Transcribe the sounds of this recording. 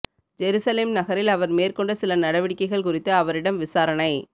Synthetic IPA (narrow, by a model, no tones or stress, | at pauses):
d͡ʒɛɾuːsɐleːmnɐɣɐɾɪlɐʋɐɾmeːrkɔɳɖɯsɪlɐnɐɽɐʋɪɽɪkːɐɪɣɐɭkʊrɪt̪ːɯɐʋɐɾɪɽɐmʋɪsaːɾɐɳɐɪ